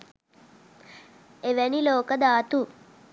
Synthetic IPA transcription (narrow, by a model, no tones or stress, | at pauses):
eʋɛniloːkəd̪aːt̪u